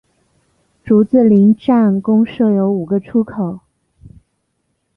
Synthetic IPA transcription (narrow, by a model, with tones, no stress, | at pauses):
ʈ͡ʂu˧˥t͡sɹ̩˥˩li˧˥ŋʈ͡ʂa˥˩nkʊ˥ŋʂɤ˥˩jo˧˥ʊu˨˩ɡə˦ʈ͡ʂʰu˥kʰo˨˩˦ʊ